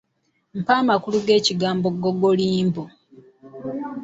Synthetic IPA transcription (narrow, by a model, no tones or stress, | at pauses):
m̩paːmakuluɡe̞ːciɡaːmbo̞ɡoɡoliːmbo